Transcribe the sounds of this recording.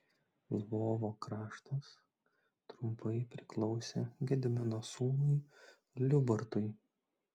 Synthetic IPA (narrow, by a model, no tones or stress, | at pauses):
lˠʋoːʋoːkɾɑːʃt̪ɐs | t̪ɾʊmpɐɪpʲɾʲɪklˠɒʊsʲeːɡʲɛd̪ʲɪmʲɪnosuːnʊj | lʲʊbɐɾt̪ʊj